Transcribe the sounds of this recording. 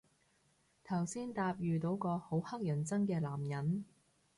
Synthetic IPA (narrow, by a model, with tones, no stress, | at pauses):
t̪ʰɐ˨˩wsiː˥nt̪aː˧p̚jyː˨t̪o˨˧˥wkɔː˧ho˨˥whɐ˥k̚jɐ˨˩nt͡sɐ˥ŋkɛː˧laː˨˩mjɐ˨˥n